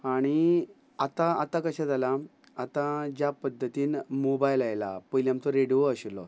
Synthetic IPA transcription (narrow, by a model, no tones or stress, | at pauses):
aɽ̃i | at̪ãat̪ãkəɕad͡zala | at̪ãd͡ʑjapəd̪ʱːət̪iːnmobajlajla̰pəjliamt̪ɔɾeɽijoəɕilɔ̰